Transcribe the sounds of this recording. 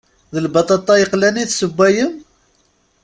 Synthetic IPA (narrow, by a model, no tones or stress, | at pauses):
ðəlbɑt̪ˤɑt̪ˤːɑjəqlæniθsəbʷːæjəm